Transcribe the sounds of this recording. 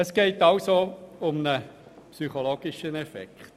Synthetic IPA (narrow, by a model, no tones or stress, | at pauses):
əsɡ̥eɪtaʊsoʊmnə | psyχoloːɡiʃənɛfɛ̰kχt